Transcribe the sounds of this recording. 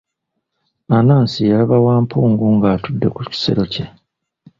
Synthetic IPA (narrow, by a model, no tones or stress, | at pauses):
anaːnsijalaβawaːmpʰuːŋɡuŋɡaːtudːe̞kuci̥se̞̰ɾo̞ce̞